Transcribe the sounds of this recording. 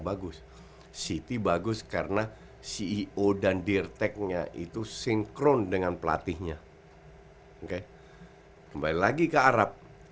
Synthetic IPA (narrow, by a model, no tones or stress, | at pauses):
baɡʊs | sit̪ibaɡʊskarəna | siːʔodandirt̪ɛk̚ɲa̰ʔḭt̪usɪŋkɾɔndəŋanpəla̰t̪ɪhɲa | ŋke | kəmbalilaɡikəaɾap̚